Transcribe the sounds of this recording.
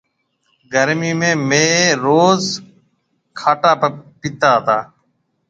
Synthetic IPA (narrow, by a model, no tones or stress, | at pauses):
ɡʱəɾmiːmẽːmeːɾoːz | kʰaːʈaːpɪt̪aːɦt̪aː